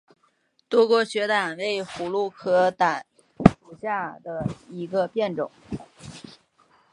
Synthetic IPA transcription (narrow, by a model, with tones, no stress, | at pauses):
t̪wɔ˥kwɔ˧˥ɕɥɛ˧˥t̪a˨˩nwe˧˥ɪxu˨˩lu˥˩kʰɤ˥˩t̪a˨˩n | ʂu˨˩ɕja˥˩d̪ə˩i˧˥ɡə˧pjɛ˥˩nʈ͡ʂʊ˨˩˦ŋ